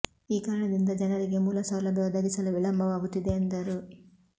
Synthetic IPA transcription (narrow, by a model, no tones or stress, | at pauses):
iːkaːɾɐɳɐd̪ind̪ɐd͡ʒɐnɐɾiɡe̞muːlɐsɐwlɐbʱjɐud̪ɐɡisɐluʋiɭɐmbʱɐʋaːɡut̪ːid̪e̞ːnd̪ɐɾu